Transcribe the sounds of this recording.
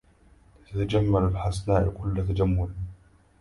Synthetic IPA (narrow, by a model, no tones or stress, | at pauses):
t̪at̪ad͡ʒamːalalħasnaːʔkʰʊlːat̪ad͡ʒamːʊl